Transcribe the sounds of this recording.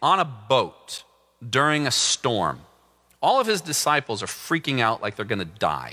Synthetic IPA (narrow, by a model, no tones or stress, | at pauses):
ə̃nəboʊt | d̥ʊɹɪ̃ŋɨstɔ̰ɹm | ɔlˠʌv̥ɨzdɨsaɪpl̩ˠzə˞fɹikɪ̃ŋaʊʔlaɪk̚ðə˞ɡʌnɨda̰ɪ